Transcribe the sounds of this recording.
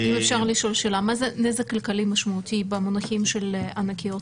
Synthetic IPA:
ʔimefʃaʁliʃo̞lʃelamazenezekːalkalimaʃmaut̪ibemonaχimʃelʔanakijo̞t

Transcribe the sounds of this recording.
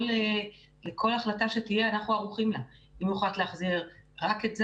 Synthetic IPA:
le | lekʰo̞laχlataʃe̞tije̞anaχuaʁuχimlaimjuχalt̪leaχziʁʁaketz

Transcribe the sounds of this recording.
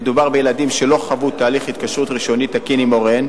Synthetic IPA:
ed̪ubaʁbejeladimʃe̞lo̞χavut̪aːliχhit̪̚kaʃʁut̪ʁiʃo̞nit̪akinimoʁen

